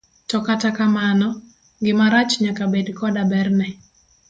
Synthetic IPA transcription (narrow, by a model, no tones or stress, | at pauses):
tɔkatakamanɔ | ɡɪmaɾat͡ʃɲakabedkɔdabɛrnɛ